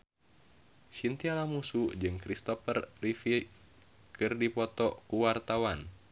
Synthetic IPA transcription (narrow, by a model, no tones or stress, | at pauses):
ʃint̪ialamusud͡ʒɨŋkɾist̪ɔfərːifi | kɨrdipɔt̪ɔkuwart̪awan